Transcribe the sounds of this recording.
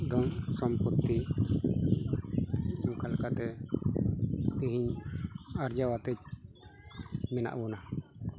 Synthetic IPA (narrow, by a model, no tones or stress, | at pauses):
d̪ɔmsɔmput̪ːi | ukalkat̪ɛ | t̪iɦiɲ | aɾd͡ʒawat̪ɛt͡ʃ̚ | mɛna̰ʔbɔna